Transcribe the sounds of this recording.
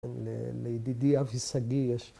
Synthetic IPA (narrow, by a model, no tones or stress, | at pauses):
nlḛlejd̪id̪iafisaɡijɛʃ